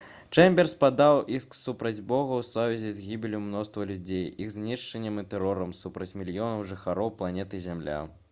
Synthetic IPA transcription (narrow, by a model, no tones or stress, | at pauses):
t͡ʂɛmʲbʲɛrspad̪awisksupɾɐd͡zʲbɔɣɐwsɔvʲɛzʲɛzʲɣʲibʲilʲumnɔst̪vɐlʲud͡zʲejiɣzʲnʲiʂt͡ʂɐnʲːɐmɨt̪ɛɾɔɾɐmsupɾɐt͡sʲmʲilʲjɔnɐwʐɨxaɾɔwplˠanʲɛt̪ɨzʲamlʲa̰